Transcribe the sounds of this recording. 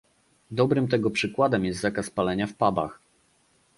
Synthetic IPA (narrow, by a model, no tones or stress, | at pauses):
d̪ɔbɾɘmt̪ɛɡɔpʂɘkwad̪ɛmjɛst̪zakaspalɛɲafpaba̰x